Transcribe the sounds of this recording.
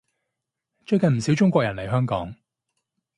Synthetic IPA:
t͡ʃɵ˥˧ɥkɐ˨nm̩˨˩si˨˥wt͡ʃʊ˥ŋkʷɔː˧˨jɐ˨˩nlɐ˨˩jɦœː˥ŋkɔː˨˥ŋ

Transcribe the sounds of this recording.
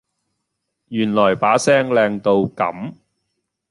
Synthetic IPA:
jyː˨˩nlɔː˨˩jpaː˨˥sɛː˥ŋlɛː˧ŋt̪o˧wkɐ̰˨˥m

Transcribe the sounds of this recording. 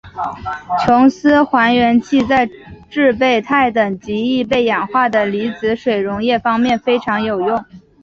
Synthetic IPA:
t͡ɕʰjʊ˧˥ŋsɹ̩˥xwa˧˥nɥɛ˧˥nt͡ɕʰi˥˧t͡sa˥˧ɪʈ͡ʂɻ̩˥˧pe˥˩ɪt̪ʰa˥˩ɪt̪ɤ˨˩ŋt͡ɕi˧˥i˥˧pe˥˩ɪjɛ˨˩nxwa˥˩d̪ə˩li˧˥t͡sɹ̩˧˥ʂwe˨˩ɪɻʊ˧˥ŋjɛ˥˩fɑ˥ŋmjɛ˥˩nfe˥ɪʈ͡ʂʰɑ˧˥ŋjo˨˩ʊjʊ˥˩ŋ

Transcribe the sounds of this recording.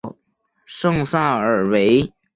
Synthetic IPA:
ʂɤ˥˧ŋsa˥˩ə˨˩we˧˥ɪ

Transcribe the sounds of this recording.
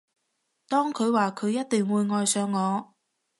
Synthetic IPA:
t̪ɔː˥ŋkʰɵ˨˧ɥwaː˨kʰɵ˨˧ɥjɐ˥t̚t̪ɪ˨ŋwuː˨˧jŋɔː˨jsœː˨˧ŋːɔː˨˧

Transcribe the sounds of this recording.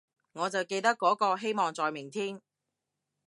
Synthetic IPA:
ŋɔː˨˧t͡sɐ˨wke˧jt̪ɐ˥kːɔː˨˥kɔː˧ɦe˥jmɔː˨˩ŋt͡sɔː˨jmɪ˨˩ŋt̪ʰiː˥m

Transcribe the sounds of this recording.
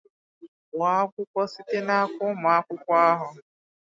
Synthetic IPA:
wa˨˦kʷʊ˦kʷɔ˦si˦te˦na˦a˦kʷʊ˦m˨a˦kʷʊ˦kʷa˦ɦʊ˨

